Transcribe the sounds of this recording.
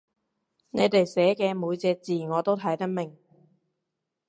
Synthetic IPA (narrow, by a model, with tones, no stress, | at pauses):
ne˨˧jt̪e˨jsɛː˨˥kɛː˧muː˨˧jt͡sɛː˧t͡siː˨˩ŋɔː˨˧t̪o˥wt̪ʰɐ˨˥jt̪ɐ˥k̚mɪ˨˩ŋ